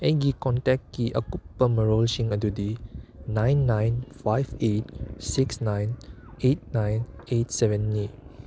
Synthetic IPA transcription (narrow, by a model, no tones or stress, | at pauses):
ɛɡikɔ̃ntɛkːiʔa̰kupːəməɹolʃĩŋədudinãjnːãjnfajvet̚siksnãjn | et̚nãjnet̚sɛvə̃nːi